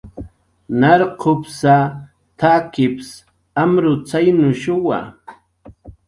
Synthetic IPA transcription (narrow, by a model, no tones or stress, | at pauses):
naɾqʰʊpsa | t̪ʰakɪps | amɾʊt͡sajnʊʃʊwa̰